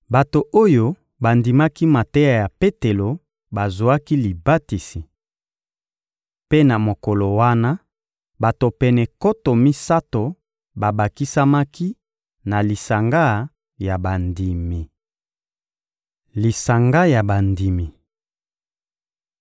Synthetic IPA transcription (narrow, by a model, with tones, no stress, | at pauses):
ba˨to˨ʔo˦jo˦ | ba˨ndi˨ma˦ki˦ma˨te˦ja˨ja˨pe˦te˨lo˨ | ba˨zo˨a˦ki˦li˨ba˦ti˨si˨ | pe˦na˨mo˨ko˨lo˨wa˦na˦ | ba˨to˨pɛ˨nɛ˨ko˦to˨mi˦sa˦to˨ | ba˨ba˨ki˦sa˦ma˦ki˦ | na˨li˨sa˨ŋɡa˦ | ja˨ba˨ndi˨mi˨ | li˨sa˨ŋɡa˦ja˨ba˨ndi˨mi˨